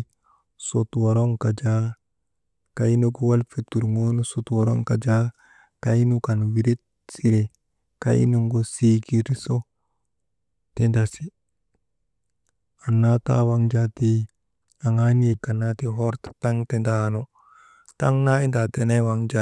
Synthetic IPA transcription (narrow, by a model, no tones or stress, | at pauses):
sotwoɾoŋkad͡ʒa | kainuɡowalfitːuɾŋonusotwaɾoŋkad͡ʒa | kainukanwiɾit̚ | siɾe | ka̰ʔḭnuŋɡosiɡiɾiso | tendasi | anːata̰waŋd͡ʒati | aŋaniekanatiɦɔɾtḁtaŋtendano | taŋnaindatenewaŋd͡ʒa